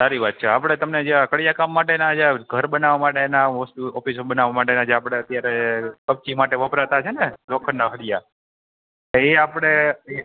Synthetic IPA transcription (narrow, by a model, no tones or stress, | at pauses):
saɾiʋat̪̚t͡ʃʰeapəɽ̃et̪əmned͡ʒeakəɽjakamːaʈenad͡ʒaɡʱəɾbənaʋamaʈenaɦosʈiɔfisobənaʋamaʈenad͡ʒeapɽ̃eət̪jaɾekəb̚t͡ʃimaʈeʋəpɾat̪at͡ʃʰenelokʰənːaɦəɽija | eapɽ̃ee